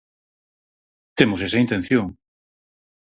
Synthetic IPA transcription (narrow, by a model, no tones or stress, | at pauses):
t̪emosesɐint̪en̟θjoŋ